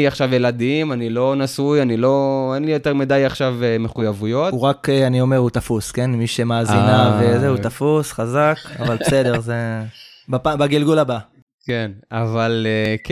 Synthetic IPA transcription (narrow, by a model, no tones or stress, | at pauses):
aχʃavjelad̪iimanilo̞nasujanilo̞enlijo̞t̪e̞ʁmid̪ajaχʃaveme̞χujavujo̞tuʁakeanio̞meʁhut̪afuskenmiʃemaːzinavezeut̪afusχazaka̰valbesed̪e̞ʁze | bapabaɡilɡulaba | kenavalek